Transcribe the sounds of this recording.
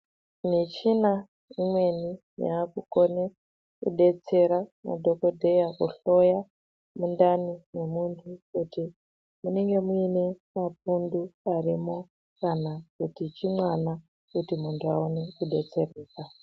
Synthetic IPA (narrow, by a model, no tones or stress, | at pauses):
nit͡ʃina | imwe̞ni | ja̰ːkuko̞ne | kṵɗe̞t͡se̞ɾama̰dʱo̞kodʱe̞jakuɬo̞ja | mundanine̞muntʰukuti | muneŋɡe̞muine̞map̚unduarimo̞ | kanakutit͡ʃimwana | kutimuntʰuaone̞kuɗe̞t͡se̞reːka